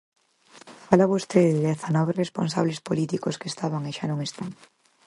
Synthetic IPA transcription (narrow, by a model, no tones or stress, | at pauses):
falaβost̪eððeðɛθanɔβerespo̰ns̬aβlespolit̪ikoskest̪aβaŋeʃanõŋest̪aŋ